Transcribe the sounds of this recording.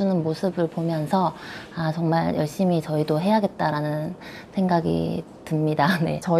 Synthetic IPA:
unɯnmosʰɯbɯɭpomjʌnsʰʌat͡ɕʌŋmaɭjʌɭɕ͈imit͡ɕʌidoɦe̞jaɡe̞t̚t͈aɾanɯn | sʰe̞ŋɡaɡḭ | tɯmɲidane̞̰t͡ɕʌ

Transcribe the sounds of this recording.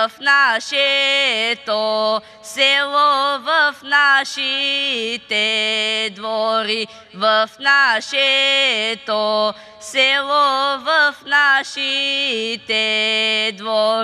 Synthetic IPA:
fnaɕe | t̪ | seʋoʋəfnaɕi | t̪ed̪ʋoɾi | ʋəfnaɕe | t̪ɔo | seʋoʋəfnaɕi | t̪ed̪ʋo

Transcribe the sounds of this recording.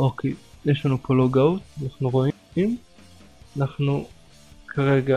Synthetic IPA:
ʔokʰḛjeʃlanupoloɡaut̪anaχnuʁo̞i | im | anaχnu | kʰaʁe̞ɡa

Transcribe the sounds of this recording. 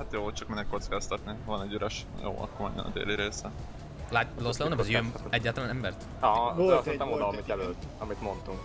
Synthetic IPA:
at̪joːt͡ʃɒkminːɛkːot̪skast̪ɑt̪nivɒnɛɟːyɾɛʃjo̰ːɒ̰kːormɛ̰ɲːɛ̰nɒ̰d̪ḛːliɾeːsɛ | laloslɛonɛbɛzjømɛɟːaːlt̪ɒlaːnɛmbɛrt̪ | ɒosit̪ɛmod̪ɒmit̪ɛløːt̪ːɒmit̪mont̪uŋk

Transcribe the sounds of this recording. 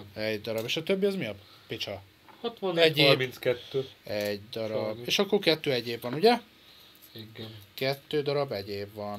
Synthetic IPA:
ɛɟd̪ɒɾɒbeːʃɒt̪øbːiɒzmijɒb | pit͡ʃɒ | hɒt̪ʋɒnɛɟːerbminskɛt̪ːøːɛɟd̪ɒɾɒbeːʃɒkːorkɛt̪ːøːɛɟːeːbʋɒnuɟɛ | iɡkɛt̪ːøːd̪ɒɾɒbɛɟeːbʋɒn

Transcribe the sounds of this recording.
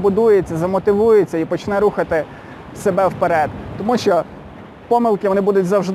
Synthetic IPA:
bʊd̪ujet͡sʲːɐzɐmɔt̪ɪʋujet͡sʲːɐipɔt͡ʃnɛɾuxɐt̪ɪ | sebɛwpeɾɛd̪t̪ːɔmuʃt͡ʃɔ | pɔmɪlˠkɪʋɔnɪbud̪ʊtʲzɐwʒd̪

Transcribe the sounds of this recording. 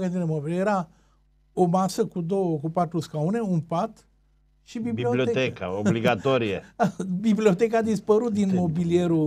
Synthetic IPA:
ɡət̪inemobiljeɾa | omasəkud̪o̞wəkupat̪ɾuskauneunpat̪ | ʃibibiliolioet̪eka̰oliɡat̪oɾiḛbiblio̞t̪e̞kaːd̪ispəɾut̪̚d̪inmo̞bilie̞ɾu

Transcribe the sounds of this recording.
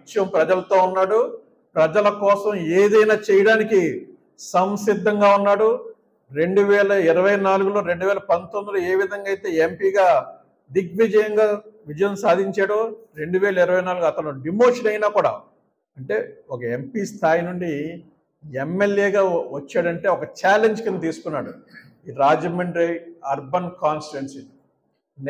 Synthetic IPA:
t͡ʃːijɐmpɾɐd͡ʒɐlɐt̪o̞ːunːaːɽu | pɾɐd͡ʒɐlɐkɔːsɐmeːd̪ɐjnaːt͡ʃɛjɐɽaːniki | sɐmsid̪ʱːɐŋɡaːunːaːɽu | ɾe̞ɳɖuʋɛːlɐiɾɐʋɐjnaːluɡulo̞ːɾe̞ɳɖuʋɛːlɐpɐnt̪ond̪uloːeːʋid̪ʱɐŋɡaːjt̪e̞ːempiːɡaː | ɖik̚ʋid͡ʒɐjɐŋɡaːʋid͡ʒɐjɐnsaːd̪ʱiɲt͡ʃaːɽɐɾe̞ɳɖuʋɛːlɐiɾɐʋɐjnaːluɡɐt̪ɐnuɖimo̞ːʂɐnɐjnaːkuːɽa̰ː | ɐɳʈe̞ːɔkɐempiːst̪ʰaːjinuɳɖi | ɛmːeljeːɡaːʋɐt͡ʃːaːɽɐɳʈe̞ːɔkɐt͡ʃaːleɲd͡ʒkint̪iːsu̥kunːaːɽu | iɾaːd͡ʒɐmeɳɖɾiɐɾbɐnkaːnsʈensi | n

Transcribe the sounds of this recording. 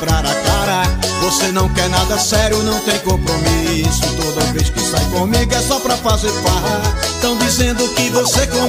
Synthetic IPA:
bɾaɾɐkaɾɐvosenɐ̃w̃kɛɾnad̪ɐsɛɾjʊnɐ̃w̃t̪ẽj̃kõpɾomisʊt̪od̪ɐvejskɪsajkõmiɡʊɛsɔpɾɐfazeɾpaɦɐ | t̪ɐ̃w̃d̪izẽnd̪ʊkɪvosekõ

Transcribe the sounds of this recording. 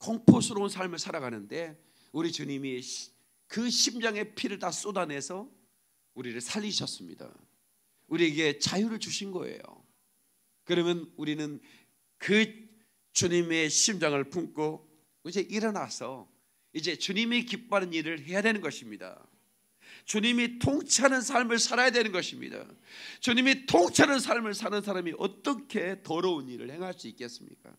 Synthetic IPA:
kʌŋpʰosʰɯɾounsʰaɭmɯɭsʰaɾaɣanɯnde̞ | uɾit͡ɕuɲimi | kɯɕʰimd͡ʑaŋe̞pʰiɾɯɭtas͈odane̞sʰʌ | uɾiɾɯɭsʰaʎːiɕʰʌs͈ɯmɲḭda̰ | uɾieɡe̞t͡ɕajuɾɯɭt͡ɕuɕʰinɡʌḛjo̰ | kɯɾʌmjʌnuɾinɯn | kɯ | t͡ɕuɲime̞ɕʰimd͡ʑaŋɯɭpʰuŋk͈o | id͡ʑe̞ʔiɾʌnasʰʌ | id͡ʑe̞t͡ɕuɲimikip͈̚ːanɯniɾɯɭɦe̞jadwe̞nɯnɡʌɕʰimɲida̰ | t͡ɕuɲimitʰoŋt͡ɕʰanɯns̬ʰaɭmɯɭsʰaɾajadwe̞nɯnɡʌɕʰimɲḭda̰t͡ɕuɲimitʰoŋt͡ɕʰanɯnsʰaɭmɯɭsʰanɯnsʰaɾamiʔʌ̰t͈ʌkʰe̞tʌɾʌuniɾɯ̰ɭhe̞ŋɦaɭs͈uik͈e̞s͈ɯmɲḭk͈a̰

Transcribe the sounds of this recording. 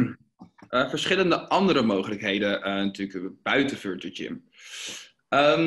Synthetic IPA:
ʔəvəɹsχɪləndəʔɑndəɾəmowχələkɦejdəənatyːləkb̥œɥtəføɹdəd͡ʒɪ̰m | ə

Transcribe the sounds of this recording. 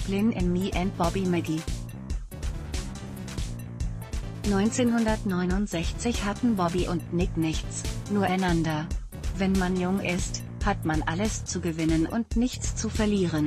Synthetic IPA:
b̥lɪnʔɪnmiːʔɛnt̚b̥ɔbimɛɡi | nɔʏnt͡seːnhʊndɐtnɔʏnʊntz̥ɛçt͡sɪçhatn̩bɔbiʔʊntnɪknɪçt͡snuːɐʔaɪnandɐ | vɛnmanjʊŋʔɪst | hatmanʔaləst͡suɡəvɪnənʔʊ̰ntnɪçt͡st͡sufɛɐliːʁ̞ən

